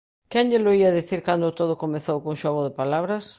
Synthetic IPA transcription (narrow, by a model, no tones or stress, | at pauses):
kɛɲʎɪloiɐðiθiɾkand̪ʊt̪oð̞ʊkomeθowkoŋʃɔɣʊðepalaβɾɐs